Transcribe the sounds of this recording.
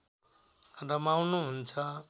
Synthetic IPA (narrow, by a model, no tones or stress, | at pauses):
ɾʌmawnuɦunt͡sʰʌ